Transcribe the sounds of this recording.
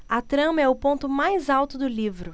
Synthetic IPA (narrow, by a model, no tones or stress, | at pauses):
ɐt̪ɾɐ̃mɐɛʊpõnt̪ʊmajzawt̪ʊd̪ʊlivɾʊ